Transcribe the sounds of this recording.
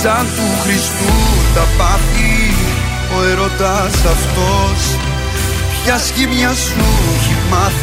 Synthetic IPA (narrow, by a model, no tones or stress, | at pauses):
sɐnt̪uxɾist̪ut̪ɐpɐti | oeɾot̪ɐsɐft̪os | cɐscimɲɐsuimɐ